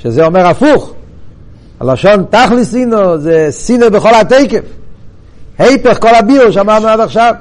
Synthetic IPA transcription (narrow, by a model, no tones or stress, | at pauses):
ʃɛzeɔmɛʁafuχ | ha̰laʃɔnt̪aχlisinozesinəbəχɔlateɪkef | hejpeχkɔlˠabiulʃamaʁmenataχʃav